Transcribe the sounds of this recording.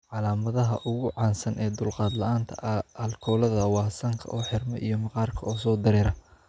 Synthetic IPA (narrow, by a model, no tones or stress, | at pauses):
ʕɑlaːmɐðɐɦɐʔʊɣʊʕɑːnsɐnʔɛːd̪ʊlqɑːd̪lɐʔaːnt̪ʰɐ̰ɐlkʰɔːlɐðɐwɑːsɐŋkʰɐ̰ʔɔːħɪrmɐ̰ʔijɞmɑqɑːrkʰɐɔːsɔːd̪ɐɾɛːɾɐ